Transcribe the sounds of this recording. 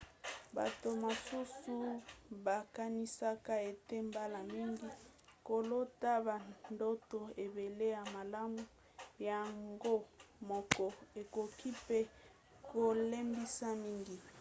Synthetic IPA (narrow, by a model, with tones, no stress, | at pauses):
ba̰˨to˨ma˨su˦su˦ba˨ka˦ni˦sa˦ka˦e˨te˦mba˦la˨mi˦ŋɡi˦ko˨lo˦ta˦ba˨ndo˦to˨e˨be˨le˦ja˨ma˨la˦mu˦ | ja˨ŋɡo˦mɔ˨kɔ˨e˨ko˨kʰi˦pe˦ | ko˨le˦mbi˦sa˦mi˦ŋɡi˨